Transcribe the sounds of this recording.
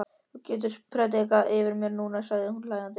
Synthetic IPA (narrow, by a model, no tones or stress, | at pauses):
cɛːt̪̬ʏɾ̥pʰɾɛːt̪ɛkaʔɪvɪɾmjɛɾnuːnasaɣðɪhunlaːjðant̪ɪ